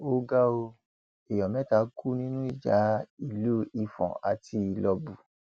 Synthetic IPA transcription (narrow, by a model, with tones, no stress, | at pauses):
o˧ɡa˦o˧ | e˨jɔ˨mɛ̃˨˦ta˧˦kʰu˦nĩ˦nũ˦i˦˨d͡ʒa˨˦i˦˨lu˦i˧fɔ̰̃˨a˨ti˧i˧lɔ˧bu˨